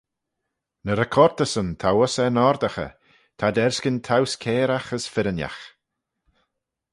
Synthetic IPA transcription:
nəɾɛkʰɔɾt̪əsənt̪ʰawəsɛnɔɾd̪axə̰ | t̪ʰad̪ɛɾskənt̪ʰawskʰeːɾaxəsfɪɾənja̰x

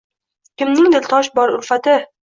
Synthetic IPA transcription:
kʲɪmnɪŋd̪ɪlt̪ʰɒʃbɒɾʊlfat̪ɪ

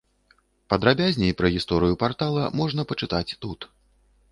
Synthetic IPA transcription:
pɐd̪ɾabʲazʲnʲɛjpɾɐɣʲist̪ɔɾɨjupart̪alˠɐmɔʐnɐpɐt͡ʂɨt̪at͡sʲt̪ut̪

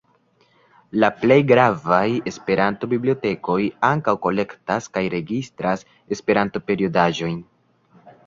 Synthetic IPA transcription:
laple̞jɡɾavaje̞spe̞ɾanto̞biblio̞te̞ko̞jaŋkawko̞le̞ktaskajɾe̞ɡistɾas | e̞spe̞ɾanto̞pe̞ɾio̞daʒo̞jn

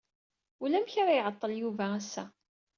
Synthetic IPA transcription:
ulæmçaɾajʕət̪ˤːəljuvææsːæ̰

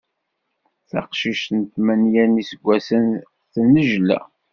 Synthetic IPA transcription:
θɑ̰qʃiʃnt̪mænjænisəɡʷːæsən | θənːəʒlæ̰

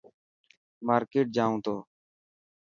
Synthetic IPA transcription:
maːɾkeːʈ̚d͡ʒaːũːt̪oː

